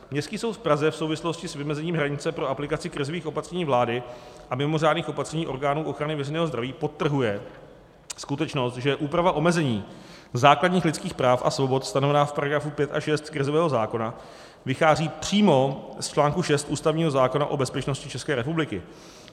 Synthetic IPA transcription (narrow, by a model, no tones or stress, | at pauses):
mɲɛstkiːso̞wt̪fpɾazɛfsowvɪslo̞scɪsvɪmɛzɛɲiːmɦɾaɲɪt͡sɛpɾo̞aplɪkat͡sɪkɾɪzoviːxʔo̞pat̪r̥ɛɲiːvlaːdɪʔamɪmo̞r̝aːdniːxo̞pat̪r̥ɛɲiːʔo̞ɾɡaːnuːʔo̞xɾanɪvɛɾɛjnɛːɦozd̪ɾaviːpo̞t̪ːr̩ɦujɛ | skut̪ɛt͡ʃno̞st̪ʒɛʔuːpɾavaʔo̞mɛzɛɲiː | zaːkladɲiːxlɪtt͡skiːxpɾaːfʔa̰svo̞bo̞t̪st̪anovɛnaːfpaɾaɡɾafupjɛt̪ʔa̰ʃɛst̪kɾɪzovɛːɦo̞zaːko̞na | vɪxaːziːpr̝̥iːmo̞st͡ʃlaːŋkuʃɛst̪ʔuːst̪avɲiːɦo̞zaːko̞naʔo̞bɛspɛt͡ʃno̞scɪt͡ʃɛskɛːɾɛpublɪkɪ